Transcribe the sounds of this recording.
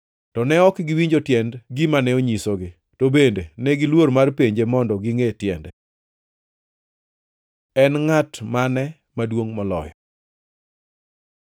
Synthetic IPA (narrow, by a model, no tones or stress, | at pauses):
tɔnɛɔkɡɪwiɲd͡ʒotjɛndɡɪmanɛoɲisoɡɪ | tobendenɛɡɪlwormarpeɲd͡ʒemɔndɔɡɪŋetjɛndɛ | ɛnŋatmanɛ | madwoŋmɔlɔ̰jɔ